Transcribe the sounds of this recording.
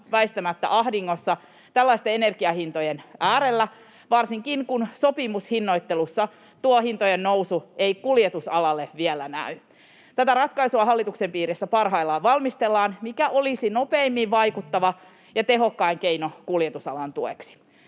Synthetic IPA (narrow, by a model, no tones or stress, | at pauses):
ʋæist̪æmæt̪ːæ̰ʔɑhdiŋːosːɑ | t̪ælːɑist̪eene̞rɡiɑhint̪ojenʔæːɾelːæ | ʋɑrsiŋkinkunso̞pimushinːo̞it̪ːelusːɑ | t̪uohint̪ojennousueikuljet̪usɑlɑlːeʋielænæ̰y | t̪æt̪ærɑt̪kɑisuɑɦɑlːit̪uksempiːɾesːæpɑrɦɑilːɑʋɑlmist̪elːɑːnmikæʔo̞lisino̞pe̞imːiʋʋɑjkut̪ːɑʋɑ | jɑt̪e̞ɦo̞kːɑiŋkeinokuljet̪usɑ̰lɑnt̪ueksi̥